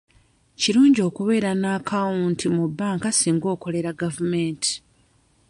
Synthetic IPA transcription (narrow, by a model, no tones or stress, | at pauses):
ciɾuːɲɟo̞ːkuβe̞ːɾanakʰawuntʰimubːaːŋkasiːŋɡo̞ːko̞le̞ɾaɡavumeːnti̥